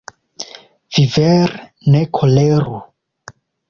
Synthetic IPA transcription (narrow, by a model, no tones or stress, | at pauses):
vivɛɾ | nekʰoleɾu